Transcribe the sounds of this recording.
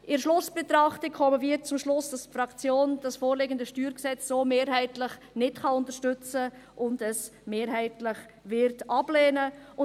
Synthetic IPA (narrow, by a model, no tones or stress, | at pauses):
ʔɪɾʃlʊsb̥ɛtɾɑχtɪkʰχɔməvɪɾt͡sʊmʃlʊsd̥ɑstfɾɑkt͡sjoːnd̥ɑsfoːɾleɡəndəʃtyːɾksɛt͡sːoːmeːɾɦɛɪtlɪχ | nɪtχɑʊntəɾʃtʏt͡sə | ʔʊndəsmeːɾɦɛɪtlɪχ | vɪɾtʔɑb̥leːnəʊ